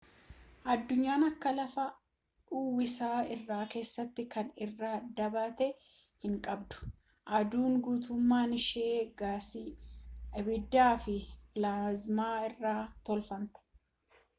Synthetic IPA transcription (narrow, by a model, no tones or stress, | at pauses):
ʔɐd̪ːʊɲːaːnɐkːɐlɐfɐ | ʔuːwɪsaːɪrːaːke̞ːsːɐt̪ːɪkɐnɪrːaːd̪ɐbat̪ɛ | hɪŋkʼɐbd̪ʊ̥ | ʔɐd̪uːŋɡuːt̪ʊmːaːnɪʃeːɡaːsi | bɪd̪ːaːfɪplazmaːɪrːaːt̪ɔlfɐnt̪ɐ̥